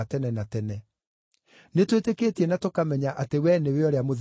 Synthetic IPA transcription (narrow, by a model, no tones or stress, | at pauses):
atɛnɛnatɛnɛ | netwetekeːtiɛnatokamɛɲaʔatewɛneweɔɾeamoð